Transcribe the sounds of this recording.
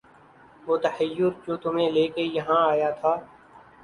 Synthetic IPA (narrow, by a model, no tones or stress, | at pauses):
ʋoːt̪ɐhəjːʊɾt͡ʃoːt̪ʊmẽleːkejɐɦãaːjat̪ʰaː